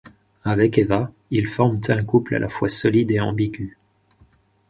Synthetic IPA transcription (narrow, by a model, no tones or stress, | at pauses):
avɛkeva | ilfɔʁmt̪ɛ̃kupla̰lʔa̰fwasɔlid̪eɑ̰̃biɡʲy